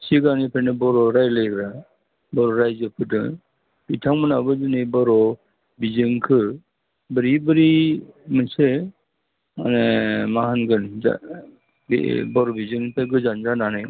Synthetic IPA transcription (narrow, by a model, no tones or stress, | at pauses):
siɡanipʰɾenɯbɔɾɔɾajlɯjkɾa | bɔɾɔɾajzɯpʰɯdɯ̰ | b̥itʰaŋmɯnabɯd͡ʒɯnɯjbɔɾɔ | bizɯŋkʰɯ | bɯɾibɯɾimɯnse | a̰nemahanɡɯna̰ | bḭbɔɾɔbizɯŋpʰaɡɯzand͡ʒananɯj